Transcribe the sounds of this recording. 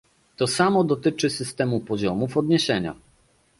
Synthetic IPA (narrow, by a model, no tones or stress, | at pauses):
t̪ɔsamɔd̪ɔt̪ɘt͡ʂɘsɘst̪ɛmupɔʑɔmufɔd̪ɲeɕɛɲa̰